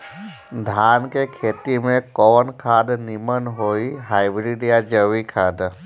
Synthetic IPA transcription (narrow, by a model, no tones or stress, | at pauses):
d̪ʱankekʰet̪imẽkɔwənkʰad̪nimənɦoiɦajbɾiɖijad͡ʒəʋikʰad̪